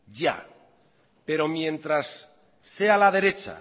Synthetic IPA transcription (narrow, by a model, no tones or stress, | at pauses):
ɟ͡ʝa̰ | pe̞ɾo̞mjẽ̞nt̪ɾasː | e̞alað̞e̞ɾe̞t͡ʃa̰